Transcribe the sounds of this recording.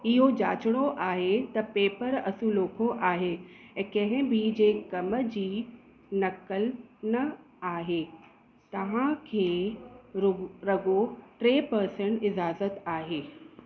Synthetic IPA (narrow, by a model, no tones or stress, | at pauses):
ɪɦod͡ʑaːt͡ɕɽ̃oʔaːɦet̪ɐpeːpəɾɐsũloːkʰoʔaːɦeɛ̃kɐ̃ɦɪ̃bʱid͡ʑeːkɐmd͡ʑiː | nɐkəlnɐ | aːɦeː | t̪ɐʋ̤ãkʰeːɾʊɾɐɡoʈɾeːpɐɾsə̃ɳʈɪzaːzət̪aːɦeː